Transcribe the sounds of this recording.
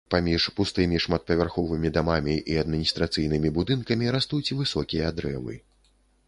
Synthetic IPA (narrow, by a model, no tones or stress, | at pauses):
pamʲiʂpust̪ɨmʲiʂmat̪̚pɐvʲarxɔvɨmʲid̪amamʲiʔiɐd̪mʲinʲist̪ɾat̪sɨjnɨmʲibud̪ɨnkɐmʲiɾast̪ut͡sʲivɨsɔkʲijɐd̪ɾɛ̰vɨ̰